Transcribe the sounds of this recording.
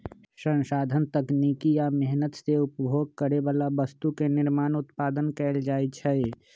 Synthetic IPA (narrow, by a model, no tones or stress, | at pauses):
sə̃nʃaːd̪ʱənt̪əkniːkijamɛɦnət̪seʊpbʱoːɡ̚kəɾeʋaːlaʋəst̪ukenɪɾmaːnʊt̪paːd̪ənkɛːld͡ʒaːit͡ʃʰɛɛ